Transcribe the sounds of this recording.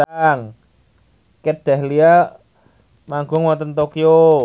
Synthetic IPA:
ŋ | ked̪̥ɛhlia | maŋɡʊŋwat̪ənt̪okijo

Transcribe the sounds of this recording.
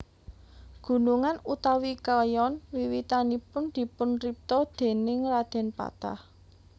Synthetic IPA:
ɡ̥ṳnuŋanut̪awikaljɔnwiwit̪anipʊnd̪̥i̤pʊnrip̚t̪ɔd̪̥e̤nɪŋrad̪̥ɛ̤npa̰t̪a̰h

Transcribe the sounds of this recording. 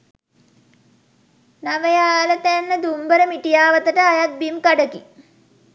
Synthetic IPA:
naʋəjaːlət̪ænːəd̪umbəɾəmiʈijaːʋət̪əʈəajat̪̚bimkaɖəki

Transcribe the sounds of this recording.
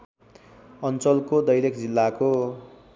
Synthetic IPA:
ʌnt͡sʌlkod̪ʌjlekd͡zilːako

